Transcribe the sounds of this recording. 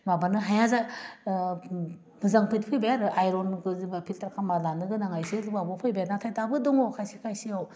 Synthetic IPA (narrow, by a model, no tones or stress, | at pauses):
mabanɯɦajaza | nɯzaŋpʰit̚pʰɯjbajaɾɯʔajɾonɡɯzibapʰiltaɾakʰamalanɯɡɯnaŋajseabɔpʰɯjbajanatʰajtabɯdɔŋokʰajsikʰajsiaw